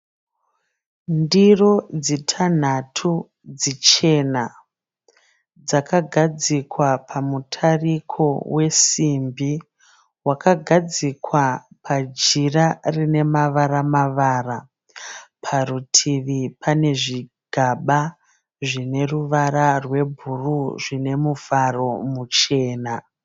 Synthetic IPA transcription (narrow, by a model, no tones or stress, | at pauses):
ndiro̞d͡zitʰan̤atʰu | d͡zit͡ʃe̞na | d͡zakaɡʱad͡zikwapʰamutʰarikʰo̞we̞simbi | wakaɡʱad͡zikwapʰad͡ʒirarine̞maʋaɾamaʋaːra | pʰaɾutʰiʋipʰane̞ʐiɡʱaɓa | ʐine̞ruʋaɾarwe̞bʱuruʐine̞muvaro̞mut͡ʃe̞ːna